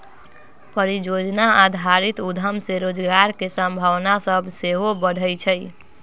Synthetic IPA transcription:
pəɾid͡ʒod͡ʒnaad̪ʱaɾit̪ud̪ʱəmseɾod͡ʒɡaɾkesə̃mbʱəʋnasəbseɦobəɽ̤ʱəjt͡ʃʰəj

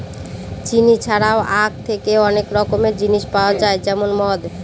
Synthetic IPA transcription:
t͡ɕinit͡ɕʰaɽaoʔak̚t̪ʰekeɔnekɾɔkomed͡ʑiniʃpaoad͡ʑaed͡ʑɛmonmɔd̪

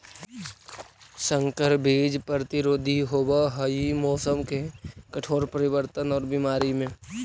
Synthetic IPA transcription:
sə̃ŋkəɾbʱeːd͡ʒpəɾət̪ɪɾoːd̪ʱiɦoːbaɦəimɔːsəmkekəʈʰoːɾpəɾɪʋəɾt̪ənɔːɾbimaːɾimẽ

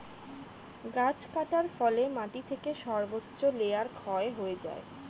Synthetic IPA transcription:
ɡad͡ʑkaʈaɾfɔlemaʈit̪ʰekeʃɔɾbotːɕoleaɾkʰɔeɦoed͡ʑa̰e

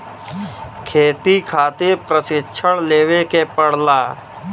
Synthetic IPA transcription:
kʰeːt̪ikʰaːt̪epɾəsɪʃʰəɽleːwekepəɽ̤laː

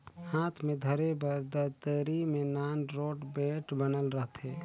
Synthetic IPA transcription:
haːt̪ʰmẽd̪ʱəɾebəɾd̪ət̪əɾimẽnaːnɾoːʈbeːʈbənəlɾəɦt̪ɦɛː

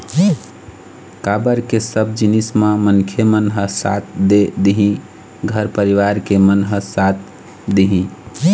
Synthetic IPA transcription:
kabəɾkesəb̚d͡ʒinismãmənkʰemənɦəsa̰t̪̚ʰd̪ed̪iɦĩ | ɡʱəɾpəɾiʋaɾkemənɦəsat̪̚ʰ | d̪iɦĩ

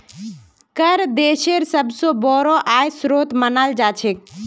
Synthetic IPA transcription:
kəɾd̪eːʃeɾsəbsõbɔɾɔʔaːjsɾot̪mənald͡ʒat͡ʃʰek̚

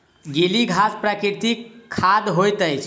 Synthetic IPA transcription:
ɡiliɡʱaspɾakiɾt̪ikʰːad̪ɦojt̪əjt͡ʃʰ

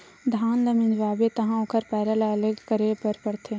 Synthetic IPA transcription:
d̪ʱaːnlɐminʋaːbet̪ɐɦãʊkʰəɾpɛːɾəlaɐləɡkəɾepɐɾpɐɽt̪ʰe

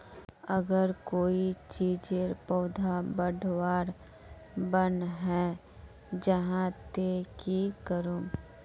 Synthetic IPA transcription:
əɡəɾkoːit͡ʃiːd͡ʒeɾpɔʊd̪ʱabəɖʱʋaːɾ | bənɦɛ | d͡ʒəɦãt̪ekikəɾũː

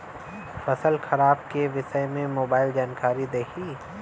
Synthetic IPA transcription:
fɐsəlxɐɾaːb̚keʋɪsəmẽmoːbaːɪld͡ʒaːnkaːɾid̪eːkʰiː

